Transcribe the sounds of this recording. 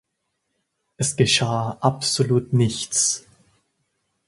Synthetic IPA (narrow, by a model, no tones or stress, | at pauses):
ʔɛsɡ̥əʃaːʔapz̥oluːtnɪçt͡s